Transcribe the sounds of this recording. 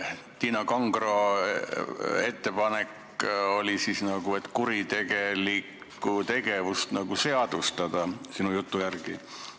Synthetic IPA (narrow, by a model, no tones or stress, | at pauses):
t̪iːnɑkɑŋɡro̞ | e̞t̪ːe̞pɑne̞k | o̞lʲisisnɑɡ̥ue̞t̪ːˑkuɾit̪e̞ɡe̞likː | ut̪e̞ɡe̞vust̪nɑɡuse̞ɑd̪̥ust̪ɑd̪̥ɑsinujut̪ːujærɡ̥i